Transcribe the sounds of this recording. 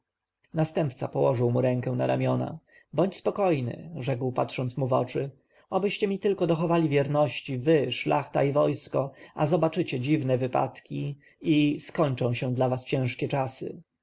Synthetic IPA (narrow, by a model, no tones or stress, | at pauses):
nast̪ɛmpt̪sapɔwɔʐɘwmuɾɛ̃ŋkɛw̃na̰ɾʔamʲjɔna̰ | bɔɲt͡ɕspɔkɔjnɘ̰ʐɛkwpat̪ʂɔnt̪smuvɔt͡ʂɘ | ɔbɘɕt͡ɕɛmʲit̪ɘlkɔd̪ɔxɔvalʲivʲjɛɾnɔɕt͡ɕivɘʂlʔa̰xt̪aivɔjskɔazɔbat͡ʂɘt͡ɕɛd͡ʑivnɛvɘpa̰t̪kʲi | iskɔɲt͡ʂɔ̃w̃ɕɛ̃d̪lavast͡ɕɛ̃w̃ʂkʲɛt͡ʂasɘ̰